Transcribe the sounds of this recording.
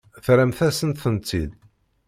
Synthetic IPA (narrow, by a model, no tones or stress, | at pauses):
θɾæmθæsənt̪θənt͡sːḭl